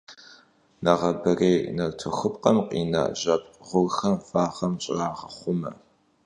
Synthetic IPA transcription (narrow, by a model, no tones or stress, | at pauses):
nɐʁɐbɨreːnɐtʰʊxɨpqɐmqʼḭːna̰ʑɐpʁʷʊlxɐmfaːχɐmɕʼɪraːʁɐχʷʊmɐ̰